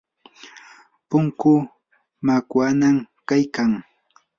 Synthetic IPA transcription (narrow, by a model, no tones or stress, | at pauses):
pʊŋkʊ | makwanamkajkaŋ